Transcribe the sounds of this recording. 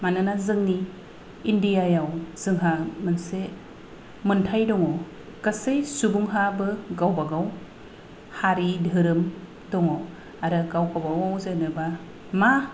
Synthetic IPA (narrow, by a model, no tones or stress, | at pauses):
manɯnazɯŋniː | ndijajawz̥ɯŋɦamɯnse | mɯntʰajdɔŋɔ | kasejsubuŋɦabɯɡawbaɡaw | haɾidʱɯɾɯm | dɔŋɔ | aɾɯɡawkawbawawzenɯba | ma